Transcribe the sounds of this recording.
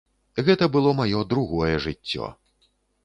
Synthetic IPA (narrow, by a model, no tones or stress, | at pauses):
ɣɛt̪ɐbɨlˠɔmajɔd̪ɾuɣɔjɛʐɨtt͡sʲːɔ̰